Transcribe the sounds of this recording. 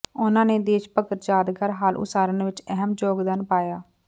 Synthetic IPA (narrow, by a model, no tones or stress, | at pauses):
ʊnãːneːd̪eːʃpəkəɾd͡ʒaːd̪ɡəɾɦaːlʔʊ̰saːɾənʋɪt͡ʃɛɦəmd͡ʒoːɡd̪aːnpaːjaː